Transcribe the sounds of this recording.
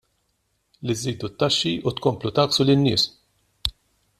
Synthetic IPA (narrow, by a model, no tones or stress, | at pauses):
liziːd̪ut̪ːɐʃːiʔut̪kɔmplut̪ɐːksulɪnːɪːs